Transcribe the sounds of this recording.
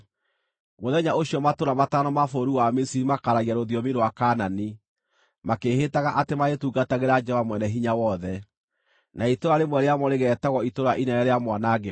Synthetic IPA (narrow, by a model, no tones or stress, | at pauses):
ɣoðɛɲaoɕijɔmatoɾamatanɔmafoɾuwamesiɾimakaɾaɣiaɾoðjɔmiɾowakanani | makehetaɣaʔatemaɣetuɡataɣeɾad͡ʒɛvamwɛnɛɦiɲawɔðɛ | naitoɾaɾemwɛɾeamɔɾeɣɛːtaɣɔitoɾaʔinɛɾɛɾeamwanaɡe